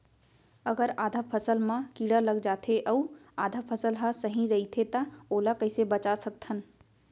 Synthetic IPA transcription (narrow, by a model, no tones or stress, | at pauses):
əɡəɾaːd̪ʱapʰəsəlmãkiɽaləɡd͡ʒat̪ʰeʔəuad̪ʱapʰəsəlɦə̃səɦĩɾəit̪ʰet̪əolakəɪsebət͡ʃasək̚t̪ʰən